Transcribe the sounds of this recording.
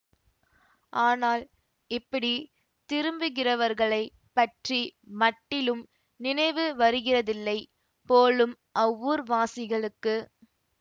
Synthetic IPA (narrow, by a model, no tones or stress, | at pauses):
ʔaːnaːl | ɪpːɐɽi | t̪ɪɾɯmbɯɣɪrɐʋɐɾɣɐɭɐɪ | pːɐʈrimɐʈːɪlɯm | nɪnɐɪʋɯʋɐɾɯɣɪrɐðɪlːɐɪ | poːlɯm | ʔɐʋːɯɾʋaːsɪɣɐɭɯkːɯ